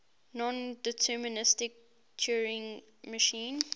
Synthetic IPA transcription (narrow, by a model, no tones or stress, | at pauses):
nɔ̃ndɛtʰɜːmɪnɪstɪk̚ | t͡ʃʰuɹɪ̃ŋ | məʃĩːn